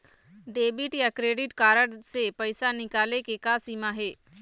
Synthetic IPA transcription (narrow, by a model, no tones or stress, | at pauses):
ɖeːbɪʈjakɾeːɖɪʈkaːɾəɽsepɐɪsanɪkaːlekekaːsiːmaɦeː